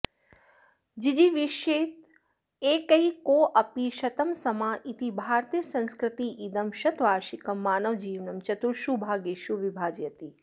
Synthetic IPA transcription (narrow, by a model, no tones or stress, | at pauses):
d͡ʒid͡ʒiʋiʃeːt̪̚ | eːkɐikoːʔɐpiʃɐt̪ɐmsɐmaːʔit̪ibʱaːɾt̪ijɐsɐ̃nskɾɪt̪iʔid̪ɐmʃɐt̪ʋaːʃikɐmːaːnɐʋd͡ʒiːʋnɐmt͡ʃɐt̪uɭʃubʱaːɡeːʃuʋibʱaːd͡ʒjɐt̪i